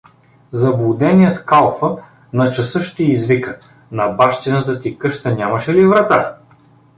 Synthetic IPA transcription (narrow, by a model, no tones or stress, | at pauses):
zɐblˠud̪ɛnʲijət̪kalˠfə | nɐt͡ʃɐsɤʃt̪ɛːzvikə | nɐbaʃt̪inət̪ət̪ikɤʃt̪ənʲamɐʃɛlivɾɐt̪a